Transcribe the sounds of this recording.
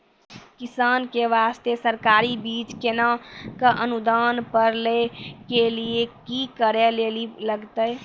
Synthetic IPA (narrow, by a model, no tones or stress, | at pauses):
kɪsaːnkeʋaːst̪esəɾkaːɾibiːt͡ʃkenakaʔənʊd̪aːnpəɾlekeliekikəɾeleːliləɡt̪ə